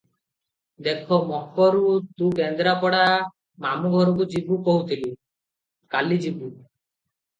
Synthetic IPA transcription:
d̪ekʰɔmɔɦpɔɾut̪ukend̪ɾapɔɽa | mamuɡʱɔɾɔk̬ud͡ʒibukoɦut̪ʰili | kalid͡ʒibu

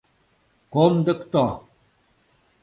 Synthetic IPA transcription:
komd̪əkt̪ɔ

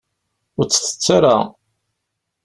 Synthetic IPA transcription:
ʊɾt͡sːə̥θə̥t͡sːaɾa̰

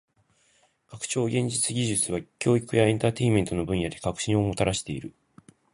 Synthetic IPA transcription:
kakɯ̟̥t͡ɕo̞ːɡʲẽ̞ɲ̟d͡ʑit͡sɨɡʲiʑɨt͡sɨβ̞akʲo̞ːikɯ̟jaẽ̞nt̪aːt̪e̞imẽ̞nt̪o̞no̞bɯ̟̃ɰ̃jad̪e̞kakɯ̟̥ɕĩɰ̃o̞mo̞t̪aɾaɕi̥t̪e̞ḭɾɯ̟

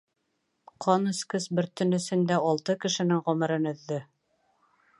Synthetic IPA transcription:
qʰɑnɵ̆skɘsbɘɾt̪ɵ̆nɵ̆sɘ̆nd̪æɒlˠt̪ɤkɘ̆ʃɘ̆nɘŋʁɵ̆mɘ̆ɾɤnɵ̆ðːɘ

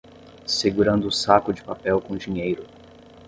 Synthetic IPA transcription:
seɡuɾɐ̃nd̪ʊːsakʊd͡ʒɪpapɛwkõd͡ʒĩɲejɾʊ

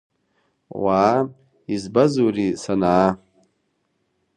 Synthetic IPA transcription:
wa | izbazurisanaː

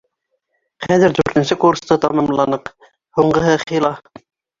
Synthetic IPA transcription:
χæðɘɾd̪ʉɾt̪ɘ̆nsɘkuɾst̪ɤt̪ɑmɑmlˠɑnɤq | huɴɢɤ̆ɦɤχilˠɑ

